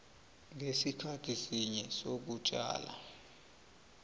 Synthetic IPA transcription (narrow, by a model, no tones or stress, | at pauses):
ŋʱesikʰatʰisiɲɛsok̬ut͡ʃʼa̰ːla̰